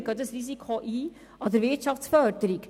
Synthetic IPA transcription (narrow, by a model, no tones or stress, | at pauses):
ɡɑdəsrisikʰoʔiː | ɑdəɾvɪrtʃɑfsfœɾdəɾik